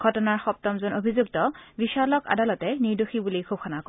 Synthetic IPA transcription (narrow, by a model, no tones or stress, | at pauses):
ɡʱɔtɔnaɹxɔp̚tɔmzɔnobʱizuk̚tɔbiʃalɔka̰dalɔtɛniɹdoxibulikʰub̚xʰɔnakɔ